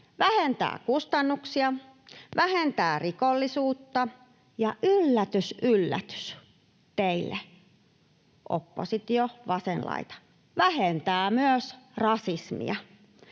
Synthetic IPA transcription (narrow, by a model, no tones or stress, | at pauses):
ʋæhent̪æ̰ːkust̪ɑnːuksiɑ | ʋæhent̪æːrikolːisuːt̪ːɑ | jɑʔylːæt̪ysʔylːæ̰t̪y̥s | t̪eilːḛ | ʔo̰pːo̰sit̪joʋɑsenlɑ̰it̪ɑ̥ | ʋæhent̪æːmyøsrɑsismḭɑ